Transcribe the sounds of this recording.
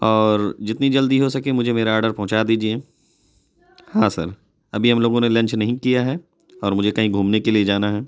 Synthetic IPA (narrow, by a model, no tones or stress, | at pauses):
ɔːɾd͡ʒɪt̪nid͡ʒɐld̪iɦosɐkẽmʊd͡ʒʱemeːɾaɔːɾɖəɾpɐɦʊ̃t͡ʃad̪iːd͡ʒie | hãːsɐ̰ɾ | ɐbʱiɦɐmloːɡõnelɐ̃ɲt͡ʃnɐɦĩkijaɦɛː | ɔːɾmʊd͡ʒʱekɐɦĩɡʱuːmnekelied͡ʒaːnaɦɛː